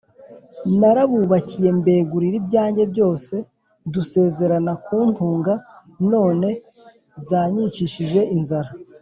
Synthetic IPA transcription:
naɾaβuːβacije̞mbe̞ːɡuɾiɾibɟaːɲɟe̞bɟo̞ːse̞ | duse̞ːze̞ɾanakuːn̥tuːŋɡa | no̞ːne̞ | zaːɲit͡ʃiʃiʒe̞inzaɾa

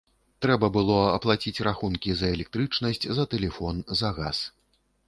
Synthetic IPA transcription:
t̪ɾɛbɐbɨlˠɔɐplˠat͡sʲit͡sʲraxunkʲizɐɛlʲɛk̚t̪ɾɨt͡ʂnɐsʲt͡sʲzɐt̪ɛlʲɛfɔnzɐɣas

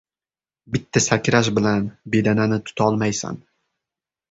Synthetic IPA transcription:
bɪt̪ʰːasakʲɾaʃbɪlanbe̞d̪ananɪt̪ʰʊ̥t̪ʰɒlˠmajsa̰n

